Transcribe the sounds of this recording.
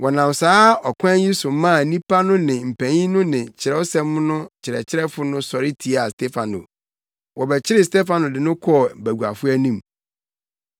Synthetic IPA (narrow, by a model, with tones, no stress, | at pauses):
wʔɔ˨nã˨m˨saː˦ɔ˨kʷʰã˦nji˦su˨˦mã˦˨nĩ˦pʰa˦nʊ̃˦nɪ̃˨m̩˨pʰæ̃˨ɲĩ˦nʊ̃˦nɪ̃˨t͡ɕʰɪ˨ɾɛ˦o˦sɛ̃˦m˦nʊ̃˦t͡ɕʰɪ˨ɾɛ̰˨t͡ɕʰɪ˦ɾɛ˦fʊ˦nʊ̃˦sɔ˨ɾɪ˦tʰi˨a˨stʰɛ˦fa˨nʊ̰˨ | wɔ˨bɛ˨t͡ɕʰɪ˦ɾɪ˨stɛ˦fã˨nʊ̃˨dɪ˨nʊ̃˦kʰɔ˦˨bæ˨ɡu˨a̰˨fʊ˦æ˦nĩ˦m